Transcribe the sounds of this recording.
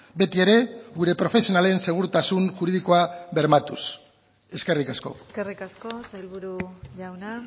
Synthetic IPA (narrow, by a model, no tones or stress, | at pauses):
be̞t̪ie̞ɾe̞ɣuɾe̞pɾo̞fe̞sio̞nale̞nse̞ɣ̞uɾt̪asunʝuɾið̞iko̞aβe̞ɾmat̪us | e̞ske̞rikasko̞̰skerikaskosajlβuɾuʎawna